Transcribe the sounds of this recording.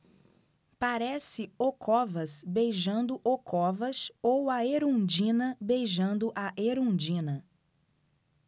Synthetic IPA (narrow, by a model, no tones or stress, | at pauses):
paɾɛsɪokʰɔvɐsbejʒɐ̃nd̪ʊʔokʰɔvɐsowɐeɾũd͡ʒĩnɐbejʒɐ̃nd̪ʊʔaʔeɾõd͡ʒĩnɐ